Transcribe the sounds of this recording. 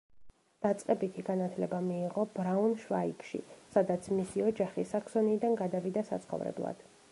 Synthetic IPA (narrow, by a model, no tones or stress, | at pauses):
d̪̥at̪sʼqʼɛbit̪ʰiɡanat̪ʰlɛbamiːʁɔb̥ɾaunʃva̰ḭkʰʃḭsad̪at̪sʰmisiɔd͡ʒaχisaksɔnid̪anɡad̪avid̪asa̰t̪sʰχɔ̰vɾɛ̰blˠa̰d̪̥